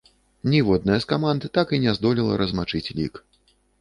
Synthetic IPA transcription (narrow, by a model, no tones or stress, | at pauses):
nʲivɔd̪̚nɐjɐskamand̪ɨt̪akinʲɛzd̪ɔlʲilˠɐ̰ɾɐzmat͡ʂɨt͡sʲlʲḭk